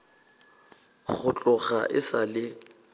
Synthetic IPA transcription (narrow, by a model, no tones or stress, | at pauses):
ɣʊt͡ɬʼʊɣaʔɪsalɪ